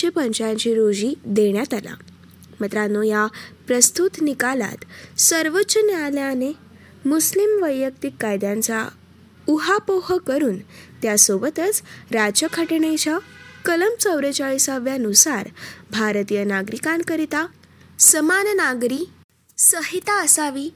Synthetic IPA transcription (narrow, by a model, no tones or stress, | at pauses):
epəɲt͡ɕaaɲt͡ɕiɾod͡ʑid̪eɳjat̪ala̰ | mət̪ɾanojapɾəst̪ut̪nikala̰t̪səɾʋətːɕənaljane | muslimʋəjːək̚t̪ikːajd̪jãnt͡sa | uɦapoɦəkəɾuːnt̪jasobət̪ət͡sɾad͡ʑəkʰəʈiɳejt͡ɕakələmt͡səwɾet͡ɕaɭisaʋjanusaɾbʱaɾt̪ijənaɡɾikãnkəɾit̪a | səmannaɡɾi | səɦit̪aəsaʋiː